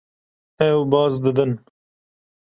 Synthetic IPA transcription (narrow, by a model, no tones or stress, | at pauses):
ɛwbɑːzd̪ɨd̪ɨn